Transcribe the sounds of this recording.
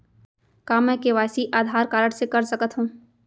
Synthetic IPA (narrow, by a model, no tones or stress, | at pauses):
kaːmːɛ̃ːkeʋaːsiʔaːd̪ʱaːɾkaːɾəʈsekɐɾsəkət̪ɦũː